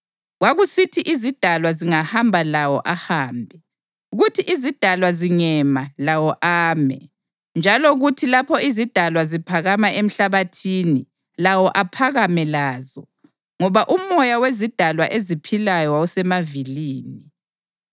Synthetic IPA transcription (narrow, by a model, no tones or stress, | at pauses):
waɣusitʰiʔizid̥ʱalwaziŋahambʱalawɔ̰ʔahaːmbʱɛ | uɣutʰiʔizid̥ʱalwaziŋɛmalawɔʔaːmɛ̰ | nd͡ʒʱalɔɣutʰilapʰɔizid̥ʱalwazipʰaɣamaʔem̩ɬaβatʰiːni | lawɔʔapʰaɣamɛlaːzɔ | ŋɔβaʔumɔjawezid̥ʱalwaʔezipʰilajausɛmaviliːni